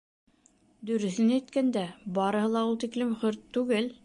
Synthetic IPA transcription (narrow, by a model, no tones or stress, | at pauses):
d̪ɵ̆ɾɵ̆θɘnæt̪̚kænd̪æbɑɾɤ̆ɦɤlˠɑulˠt̪iklɘmχɵɾt̪ːʉɡɘl